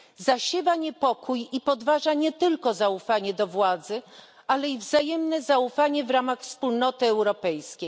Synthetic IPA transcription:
zaɕɛvaɲɛpɔkʰujipɔd̪vaʐaɲɛt̪ɘlkɔzaufaɲɛd̪ɔvwad̪zɘ | alɛivzajɛmnɛzaufaɲɛvɾamaxfspulnɔt̪ɘɛwɾɔpɛjskʲej

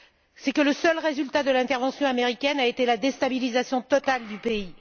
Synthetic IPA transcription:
sɛkələsœlʁezylt̪ad̪əlɛ̃t̪ɛʁvɑ̃sjɔ̃ameʁikʲɛnaet̪elad̪est̪abilizasjɔ̃t̪ɔt̪ald̪ypei

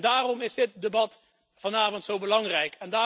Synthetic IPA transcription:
daːrɔmɪzdɪt̚debɑt | v̥ɑnaːvɔntsowbəlɑŋrɛjkʰɛndaː

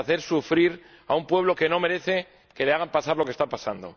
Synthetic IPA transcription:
θeɾsufɾiɾ | a̰umpwe̞β̞lo̞ke̞no̞me̞ɾe̞θe̞ | ke̞leaɣ̞ampasaɾlokest̪apasand̪o̞̰

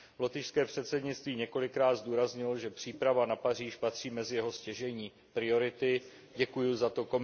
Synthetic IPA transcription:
vlot̪ɪʃskɛːpr̝̥ɛt̪sɛdɲɪt͡st̪viːɲɛko̞lɪkɾaːd̪zd̪uːɾazɲɪlʒɛpr̝̥iːpɾavanapariːʃpat̪r̝̥iːmɛzɪjɛɦo̞scɛʒɛɲiː | pɾɪo̞ɾɪt̪ɪ | ɟɛkujʊzat̪o̞ko̞m

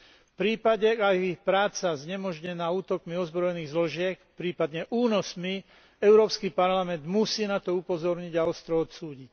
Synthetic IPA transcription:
fpɾiːpaɟɛajixpɾaːt͡sazɲɛmɔʒɲɛnaːuːt̪ɔkmiɔzbɾɔjɛniːɣzlɔʒɪɛkpɾiːpad̪ɲɛʔuːnɔsmi | ɛʊɾɔːpskipaɾlamɛnd̪musiːnat̪ɔupɔzɔɾɲiɟaɔst̪ɾɔɔt̪suːɟic

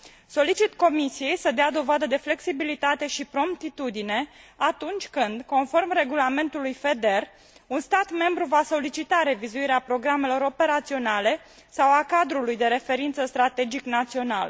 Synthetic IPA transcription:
so̞lit͡ʃit̪ko̞misije̞jsəd̪ead̪o̞vad̪əd̪e̞fle̞ksibilit̪at̪e̞ʃipɾo̞mpt̪it̪ud̪ine̞at̪unt͡ʃʲkɨnd̪ko̞nfo̞rmre̞ɡulame̞nt̪ulujfe̞d̪e̞r | unst̪at̪me̞mbɾuvaso̞lit͡ʃit̪aɾe̞vizuiɾeapɾo̞ɡɾame̞lo̞ɾo̞pe̞ɾat̪sio̞nale̞ | sawakad̪ɾulujd̪e̞ɾe̞fe̞ɾint̪səst̪ɾat̪e̞d͡ʒiknat̪sio̞nalə

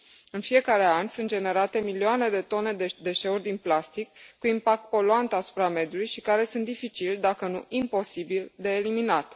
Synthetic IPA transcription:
ɨnfie̞kaɾe̞anʲsunt̪d͡ʒe̞ne̞ɾat̪e̞milioane̞d̪e̞t̪o̞ne̞d̪ed̪e̞ʃe̞urʲd̪inplast̪ikːuimpak̚t̪̚po̞luant̪asu̥pɾame̞d̪julujʃikaɾe̞sunt̪d̪ifit͡ʃilʲd̪akənṵʔimpo̞sibild̪e̞ːliminat̪

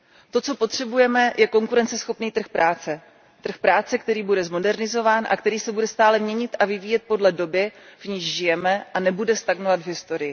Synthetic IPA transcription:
t̪o̞t͡so̞po̞t̪r̝̥ɛbujɛmɛjʔɛko̞ŋkuɾɛnt͡sɛsxo̞pniːt̪r̩xpɾʔaːt͡sɛ | t̪r̩xpɾaːt͡sɛkt̪ɛɾiːbudɛzmo̞dɛɾnɪzo̞vaːnʔa̰kt̪ɛɾiːsɛbudɛst̪aːlɛmɲɛɲɪt̪ʔavɪviːjɛt̪̚po̞dlɛdo̞bjɛv̥ɲiːʒʒɪjɛmɛʔanɛbudɛst̪aɡnovat̪vɦɪst̪o̞ɾɪjɪ

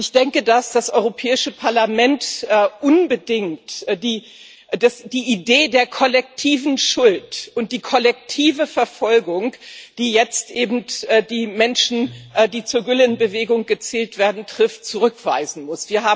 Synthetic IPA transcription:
ʔɪçd̥ɛŋkədasd̥asʔɔʏʁopʰɛːɪʃəpʰaɐlamɛntːʔʊnbədɪŋtdiː | dasd̥iːideːdeːɐkʰɔlɛk̚tʰiːvn̩ʃʊltʔʊnt̚d̥iːkʰɔlɛk̚tʰiːvəfɛɐfɔlɡʊŋd̥iːjɛt͡stʔeːbm̩tʔːdiːmɛnʃn̩ʔdiːt͡suːɐɡʏlənbəveːɡʊŋɡ̥ət͡sɛːltv̥eːɐdn̩tʁ̥ɪftt͡suʁʏkv̥aɪzn̩mʊsv̥iːɐɦaː

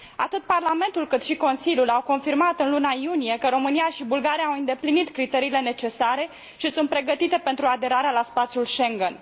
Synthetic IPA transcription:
a̰t̪ɨt̪̚parlame̞nt̪ulkɨt̪ʃiko̞nsilʲjulawko̞nfirmat̪ɨnlunajunije̞kəɾo̞mɨnijaʃibulɡaɾijaːwɨnd̪e̞plinit̪kɾit̪e̞ɾiːle̞ne̞t͡ʃe̞saɾe̞ | ʃisunt̪pɾe̞ɡət̪it̪e̞pent̪ɾuad̪e̞ɾaɾealaspat̪sjulʃe̞ŋɡən

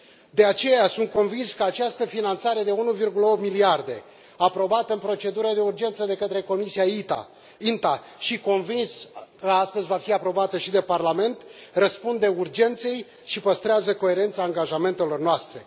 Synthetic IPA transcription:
d̪e̞at͡ʃe̞jasunt̪̚ko̞nvinskəat͡ʃast̪əfinant̪saɾe̞d̪e̞unuvirɡuləo̞p̚t̪miliard̪e̞̰ | apɾo̞bat̪əɨnpɾo̞t͡ʃe̞d̪uɾəd̪e̞urd͡ʒe̞nt̪səd̪e̞kət̪ɾe̞ko̞misiait̪a̰ | int̪a | ʃiko̞nvinskəast̪əzʲvafiapɾo̞bat̪əʃid̪e̞parlame̞nt̪rəspund̪e̞urd͡ʒe̞nt̪se̞j | ʃipəst̪ɾeazəko̞e̞ɾe̞nt̪saːŋɡaʒame̞nt̪e̞lo̞rnoast̪ɾe̞̰

